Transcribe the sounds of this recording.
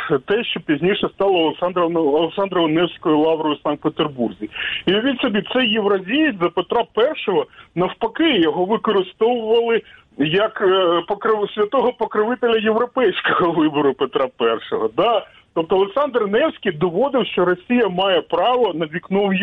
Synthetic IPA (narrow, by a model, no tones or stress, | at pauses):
t̪ɛʃt͡ʃɔpʲizʲnʲiʃɛst̪ɑlˠɐːlˠeksɑnd̪ɾːlˠeksɑnd̪ɾɔɔnɛwsʲkɔjʊlˠɑʋɾɔjʊsɑnk̪̚pet̪erburzʲiiʋʲinsɔbʲit̪sɛjeʋɾɐzʲijɪzɐpet̪ɾɑpɛrʃɔɦɔnɐwpɐkɪjɔɦɔʋɪkɔɾɪst̪ɔwʊʋɐlˠɪ | jɐkpɔkɾɪsʲʋʲɐt̪ɔɦɔpɔkɾɪʋɪt̪elʲɐjeʋɾɔpɛjsʲkɔɦɔʋɪbɔɾʊpet̪ɾɑpɛrʃɔɦɔd̪ɑ | t̪ɔpt̪ɔːlˠeksɑnd̪rnɛwsʲkʲijd̪ɔʋɔd̪ɪwʃt͡ʃɔɾɔsʲijɐmɑjɛpɾɑʋɔnɐʋʲiknɔwj